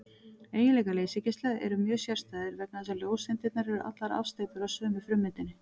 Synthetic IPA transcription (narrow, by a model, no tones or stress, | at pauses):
eːjɪnlɛːjkaleːjsɪcɪst̪lɛɣɛ̰ɾʏmjœːsjɛr̥st̪aːjðɪɾvɛp̚naðɛsaljoːwsɪnt̪ɪt̪naɾɛɾʏɾʔa̰t̪laɾa̰fst̪eːjpʏɾawsœːmɪfɾʏmːɪnt̪ɪnːɪ